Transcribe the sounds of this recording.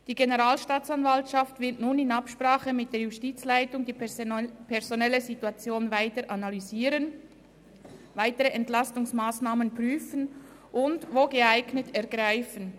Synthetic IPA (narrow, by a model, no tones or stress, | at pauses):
d̥iːɡenəʁaːlʃtaːt͡sanvaltʃaftvɪɐtnuːnɪnapʃpraːχəmɪt̚d̥eːɐjustiːt͡slaɪtʊŋd̥iːpʰɛʁzonɛləzituat͡sjoːnvaɪtəɾʔanalyziːɾən | vaɪtəʁəʔɛntlastʊŋsmaːsnaːmənpʁ̥yːfən | ʔʊndvoːɡəaɪɡnətɛɐɡʁaɪfən